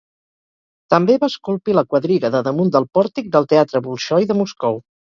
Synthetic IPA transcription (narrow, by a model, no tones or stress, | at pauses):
t̪əmbeβaskulˠpiləkwəðɾiɣəðəðəmund̪əlˠpɔɾt̪ik̚d̪əlˠt̪eat̪ɾəβulˠʃɔjðəmuskɔw